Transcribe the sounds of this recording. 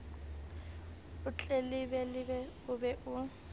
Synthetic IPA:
ʊt͡ɬʼelɪbɛlɪbɛʊbɛʔʊ

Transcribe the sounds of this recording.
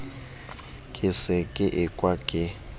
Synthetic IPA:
kʼɪsɪkʼɪʔɪkʼwakʼɪ

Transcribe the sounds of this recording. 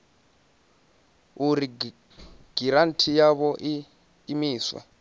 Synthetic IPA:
uɾi | ɡ̥iɾantʰijaβɔʔiː | miːswa̰

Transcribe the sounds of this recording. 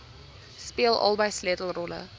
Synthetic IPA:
spiəlˠʔɐ̰lˠbəjsletl̩ˠrɔlə̰

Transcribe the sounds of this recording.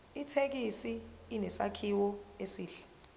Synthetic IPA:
itʰek̬isiːnɛsakʰiwɔesiːɬɛ̥

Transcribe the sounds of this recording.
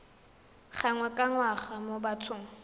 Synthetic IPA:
χaŋwakʼaŋwaχamobatʰʊːŋ̩

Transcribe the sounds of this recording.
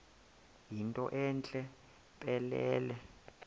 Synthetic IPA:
jintʼɔʔɛnt͡ɬʼɛ | pʼɛlɛːlɛ

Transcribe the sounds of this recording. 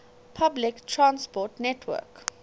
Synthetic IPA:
pʰablɪktʰɹãnspɔtnɛtʰwə̰k

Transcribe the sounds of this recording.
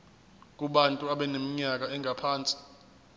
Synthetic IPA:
k̬ʼuɓantʼuaɓɛnemiɲak̬aɛŋʱapʰaːnt͡sʼi̥

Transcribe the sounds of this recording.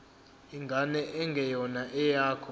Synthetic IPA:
iŋɡʱanɛʔɛŋɡʱɛjɔnaʔɛjaːkʰɔ

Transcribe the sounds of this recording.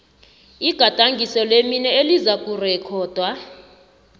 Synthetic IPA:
iɡ̥ʱatʼaŋɡʱisɔleminɛelizakʼurɛkʰɔːd̥ʱwa

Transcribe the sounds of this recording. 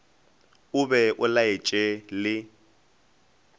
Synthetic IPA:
ʊbɛʔʊlaet͡ʃʼelɪ

